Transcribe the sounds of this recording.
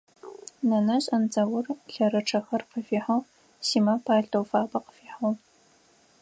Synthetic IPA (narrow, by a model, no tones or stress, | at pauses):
nɐnɐɕʼɐnd͡zʼɐwʊrɬɐɾɐʈ͡ʂʰɐxɐrqəfiːħow | siːmɐpʰaːɮdʼowfaːbɐqə̥fiːħow